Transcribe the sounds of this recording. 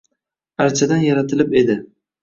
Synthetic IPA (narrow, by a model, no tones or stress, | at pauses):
aɾt͡ʃʰad̪anjaɾat̪ʰɪlɪpe̞d̪ɪ